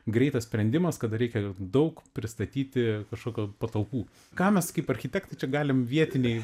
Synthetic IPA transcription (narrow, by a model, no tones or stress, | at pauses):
ɡɾʲɛɪt̪ɐssʲpʲɾʲɛnd̪ʲɪmɐskɐd̪ɐɾʲɛɪkʲɛd̪ɐʊkpʲɾʲɪst̪ɐt̪ʲiːt̪ʲɪkɐʃkoːkʲuːpɐt̪ɐlˠpuː | kɑːmʲɛskɐɪpɐɾʲxʲɪt̪ʲɛkt̪ɐt͡ʃʲɛɡɑːlʲɪmʋʲiɛt̪ʲɪnʲɛɪ